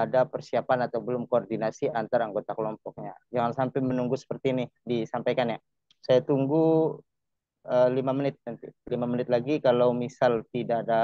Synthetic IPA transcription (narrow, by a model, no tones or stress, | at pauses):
adapərsiapanat̪awbəlʊmkoːrdinasiant̪aɾaŋɡot̪akəlɔmpɔk̚ɲad͡ʒaŋansampɪmənuŋɡusə̥pərt̪iːnɪdisampajkanja | sajat̪uŋɡu | əlimamənɪt̪̚nant̪ilimamənɪt̪̚laɡikalawmisalt̪idaːda